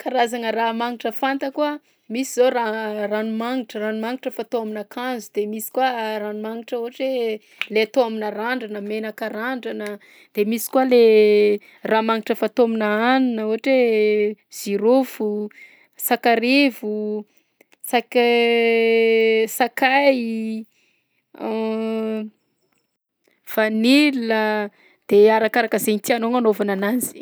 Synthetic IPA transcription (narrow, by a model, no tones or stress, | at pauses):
kaɾazanəramaŋiʈ͡ʂəfant̪əkua | misizoɾaranumaŋiʈ͡ʂəranumaŋiʈ͡ʂəfat̪oaminakanzud̪̥emisi̥kuaranumaŋiʈ͡ʂəoaʈ͡ʂe | leat̪oaminəɾaɳɖ͡ʐanəmenakəɾaɳɖ͡ʐanə | d̪̥emisi̥kuale | raːmaŋiʈ͡ʂəfat̪ominaanunəoɦaʈ͡ʂe | z̥iɾofu | sakaɾevu | sak | sakaj | v̥anilə | d̪̥eaɾakaɾakəzeɲit̪ianoŋanovananazi̥